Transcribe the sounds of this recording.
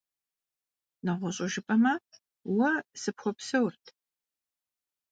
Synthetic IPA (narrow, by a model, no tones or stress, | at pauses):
nɐʁʷʊɕʼɪʒɪpʼɐmɐ | wɐsɨpxʷɔpsɐwrtʰ